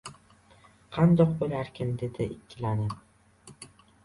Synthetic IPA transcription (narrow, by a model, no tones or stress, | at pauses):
qʰɑnd̪ɒqbolaɾkʲʰɪnd̪e̞d̪ɪʔɪkʲʰːɪlanɪ